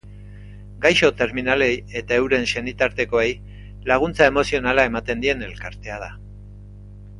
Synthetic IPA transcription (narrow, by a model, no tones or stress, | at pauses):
ɡajʃo̞t̪e̞ɾminale̞je̞t̪ae̞wɾe̞nʃe̞nit̪aɾt̪e̞ko̞e̞j | laɣ̞unt͡sae̞mo̞sio̞nalae̞mat̪e̞nd̪ie̞ne̞lkaɾt̪e̞að̞a